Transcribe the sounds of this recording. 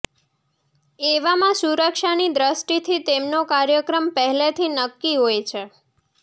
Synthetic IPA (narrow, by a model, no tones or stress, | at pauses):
eʋamãsuɾəkʃanid̪ɾəʃʈit̪ʰit̪emnokaɾjəkɾəmpəɦɛlet̪ʰinəkːiɦojt͡ʃʰe